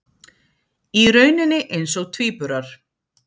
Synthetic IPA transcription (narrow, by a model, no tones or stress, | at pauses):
iɾœːɥnʏnːɪʔejnsɔɣt̪ʰviːpʏɾaɾ̥